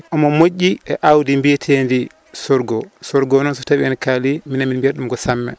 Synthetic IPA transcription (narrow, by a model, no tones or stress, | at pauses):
ʔɔmɔmoʔːiɛʔawdimbitʰendi | sɔɾɡɔsɔɾɡɔnɔnsɔtabiɛnkaliminaminbeɾɗumɡɔsamːɛ̰